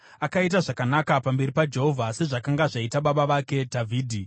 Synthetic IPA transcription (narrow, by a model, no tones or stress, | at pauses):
akait̬aʐakanakapambeɾipad͡ʒe̞ɦo̞vʱase̞ʐakaŋɡaʐaitaɓaɓaʋake̞dʱavʱiːdʱi